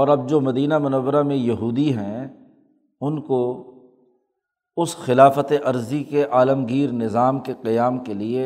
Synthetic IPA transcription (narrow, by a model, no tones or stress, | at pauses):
ɔːɾɐb̚d͡ʒoːmɐd̪iːnamʊnəʋːəɾamẽjɐɦuːd̪iɦɛ̃ | ʊnko | ʊsxɪlaːfət̪eʔɐɾzikeʔaːləmɡiːɾnɪzaːmkeqɐjaːmkelie